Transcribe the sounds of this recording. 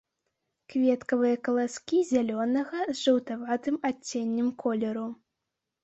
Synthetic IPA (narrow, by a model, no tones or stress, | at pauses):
kvʲɛt̪kɐvɨjɐkɐlˠaskʲizʲalʲɔnɐɣɐzʐɨwt̪avat̪ɨmat͡sʲːenʲːɛmkʰɔlʲɛɾu